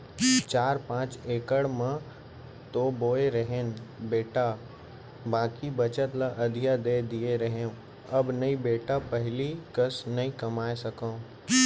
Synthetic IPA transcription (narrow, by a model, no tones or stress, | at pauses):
t͡ʃaːɾpãːt͡ʃeːkəɽmə̃ | t̪oːboːeɾɐɦeːnbeːʈa | bãːkibɐt͡ʃət̪laʔɐd̪ʱijad̪eːd̪ieɾɐɦeũ | ɐbnɐĩbeːʈapɐɦɪlikɐsnɐĩkɐmaːesɐkõ